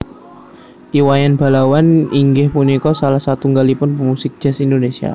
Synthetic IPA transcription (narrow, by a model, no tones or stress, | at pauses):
iwajanb̥a̤lawaniŋɡɪhpunikɔsalahsat̪uŋɡalipʊnpəmusɪk̚d̥ʒ̥asind̪onesia̰